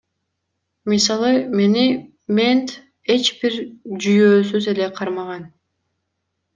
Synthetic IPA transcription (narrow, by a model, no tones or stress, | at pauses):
misɑlˠɯme̞ni | mʲe̞nt̪ | e̞t͡ʃbiɾd͡ʒyjøːsyze̞le̞qʰɑɾmɑʁɑn